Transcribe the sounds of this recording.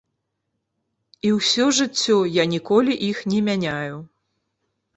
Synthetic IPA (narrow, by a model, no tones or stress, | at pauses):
iwsʲɔʐɨt͡sʲːɔjanʲikɔlʲiʔixnʲɛmʲanʲaju